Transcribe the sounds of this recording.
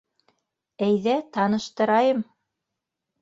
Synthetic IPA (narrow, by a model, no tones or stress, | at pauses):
æjðæt̪ɑnɤ̆ʃt̪ɤ̆ɾɑjɤm